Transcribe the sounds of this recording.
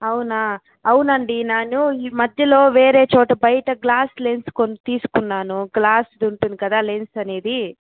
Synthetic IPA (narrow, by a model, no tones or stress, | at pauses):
ɐwuna | ɐwunɐɳɖineːnuimɐd̪ʱjɐlo̞ːʋe̞ːɾe̞ːt͡ʃɔːʈɐbɐjɐʈɐɡlaːsle̞nskont̪iːsu̥kunːaːnuɡlaːsd̪uɳʈund̪ikɐd̪aːle̞nsɐne̞ːd̪i